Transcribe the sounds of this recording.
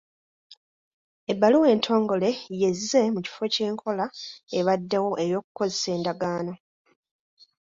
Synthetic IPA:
ebːaluwe̞ːntʰo̞ːŋɡo̞le̞je̞zːe̞muci̥fo̞ce̞ːŋkʰo̞laeβadːewo̞ʔe̞jo̞ːk̚u̥ko̞zese̞ːndaɡaːno̞

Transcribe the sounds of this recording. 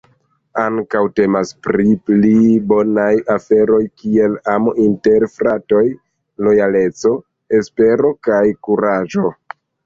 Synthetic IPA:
aŋkawte̞maspɾiplibo̞najafe̞ɾo̞jkie̞lamoʔinte̞ɾfɾato̞j | lo̞jale̞t͡so̞ | e̞spe̞ɾo̞kajkuɾad͡ʒo̞

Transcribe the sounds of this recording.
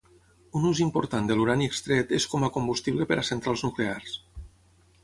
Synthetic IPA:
unuzimpoɾt̪and̪əluɾaniekst̪ɾɛt̪eskɔmakombust̪iβlepeɾasent̪ɾalˠznuklears

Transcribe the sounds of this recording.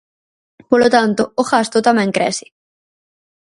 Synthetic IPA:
polot̪ant̪ooxast̪ot̪amẽŋkɾḛsi̥

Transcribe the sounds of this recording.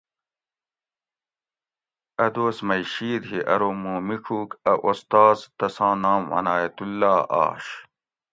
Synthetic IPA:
ɐd̪oːsmɐiɕiːd̪ɦiʔɐɾoːmuːmikʰuːkɐʔost̪aːzt̪ɐsɑ̃ːnaːmwɐ̰naːjɐt̪ulːaːa̰ːɕ

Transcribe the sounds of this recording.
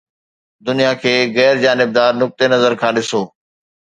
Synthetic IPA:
d̪ʊnijakʰeːɣɛːɾd͡ʑaːnɪb̚d̪aːɾnʊk̚t̪enɐzəɾkʰãːɗɪsoː

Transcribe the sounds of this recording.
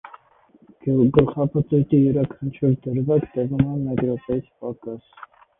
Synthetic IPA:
ɡəlχɑpʰət̪ut̪ijɛɾɑkʰɑnt͡ʃʰuɾd̪əɾvɑkt̪ɛvumɑnmɛd̪ɾɔtɑjit͡sʰpɑkɑs

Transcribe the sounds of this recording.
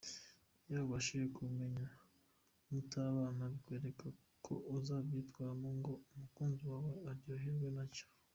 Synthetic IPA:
jaːβaʃijekume̞ɲa | mutaβaːnaβkweːɾe̞kʰa | kʰo̰ʔuzaːβjitɡwaːmoŋɡo̞umukuːnziwaːwe̞aɾjoɦeɾwenacḁ

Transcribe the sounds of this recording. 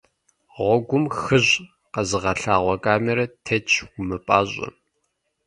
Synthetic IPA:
ʁʷɔɡʷʊmxɨʑ | qɐzɨʁɐɬaːʁʷɔkʼaːmɛɾɐtʰet͡ʃʼʰɡʷʊmɨpʼaːʑʷʼɐ̰

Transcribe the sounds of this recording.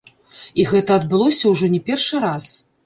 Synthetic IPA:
iɣɛt̪ɐːd̪̚bɨlˠɔsʲɐwʐɔnʲɛpʲɛrʂɨɾas

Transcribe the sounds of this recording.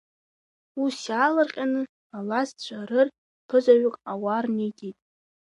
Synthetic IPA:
usjaːlɨrqʲʼanɨ | alast͡ɕʷʰʼaɾɨr | pʰɨzaɥʊkʼawarnitʼijtʼ

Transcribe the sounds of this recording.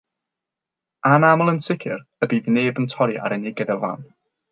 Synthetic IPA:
anamɔlˠənsɪkʰɪrəbiːðneːbəntʰɔɾiʔa̰ɾɛnɪɡəðɛva̰n

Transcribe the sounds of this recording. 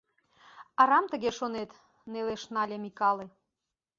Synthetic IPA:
ɑɾɑmt̪ə̆ɣeʃonet̪ | neleʃnɑlʲemikɑle

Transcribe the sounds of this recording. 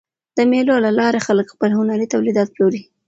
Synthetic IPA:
d̪̥əmelolalɑɾexaləkxpəlhʊnaɾit̪awlid̪ɑt̪̚ploɾi

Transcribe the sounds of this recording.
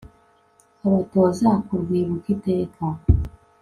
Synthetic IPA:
aβatoːzakuɾwiːβukiteːkʰa

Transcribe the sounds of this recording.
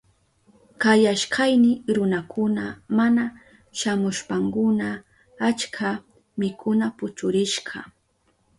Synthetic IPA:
kajaʃkʰajnɪɾʊnakʰʊnamana | ʃamʊʃpaŋkʊna | at͡ʃkʰa | mɪkʰʊnapʊt͡ʃʊɾɪʃɢɑ̰

